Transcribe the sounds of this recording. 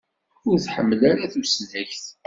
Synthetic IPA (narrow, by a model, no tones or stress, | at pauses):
ʊɾθħəmːəlaɾaθuslːæçθ